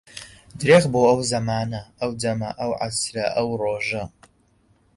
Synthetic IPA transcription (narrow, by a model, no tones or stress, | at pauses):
dreːʁboʔɐwzɐmaːnɐɐwdɐmɐ̰ʔɐwʕa̰srɐʔɐwroːʒɐ